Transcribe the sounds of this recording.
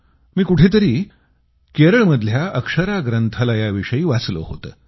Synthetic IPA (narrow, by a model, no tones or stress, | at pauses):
miːkuʈʰet̪əɾiː | keɾəɭməd̪ʱljaʔəkʂəɾaɡɾənt̪ʰələjaʋiʂəiːʋat͡slo̰ho̰t̪əː